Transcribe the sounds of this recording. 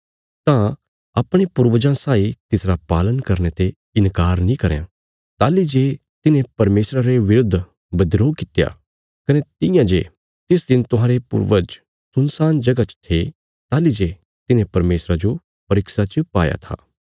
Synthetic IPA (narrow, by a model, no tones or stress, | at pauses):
t̪ã | ɐpɽ̃epʊɾʋəd͡ʒãsaːit̪ɪsɾapaːlənkɐɾnet̪e | ɪnkaːɾnĩkɐɾjã̰ | t̪aːlid͡ʒeː | t̪ɪnẽpɐɾmeːsɾaɾeʋɪɾʊd̪ʱ | bɐd̪ɾoːkɪt̪ja̰ | kɐnet̪ɪ̃jãd͡ʒḛ | t̪ɪsd̪ɪnt̪ʊɦãːɾepʊ̰ɾʋəd͡ʒ | sʊnsaːnd͡ʒɐɡat͡ʃt̪ʰe | t̪aːlid͡ʒeː | t̪ɪnẽpɐɾmeːsɾad͡ʒo | pɐɾɪksat͡ʃpa̰ːja̰t̪ʰa̰ː